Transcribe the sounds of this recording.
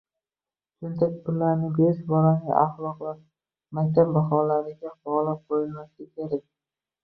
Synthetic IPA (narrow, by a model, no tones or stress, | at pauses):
t͡ʃʰʊnt̪ʰek̚ʲʊlaɾnɪbeʃbɒlanɪa̰χlˠɒqva | makʲt̪ʰab̚baχɒlaɾɪɡʲabɒlap̚qʰojɪlmasʲakʲʰeɾak̚ʲ